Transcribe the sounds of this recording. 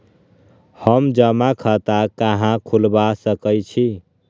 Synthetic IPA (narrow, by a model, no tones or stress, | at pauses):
həmd͡ʒəmakʰət̪akaɦãkʰulbasəkəjt͡ʃʰi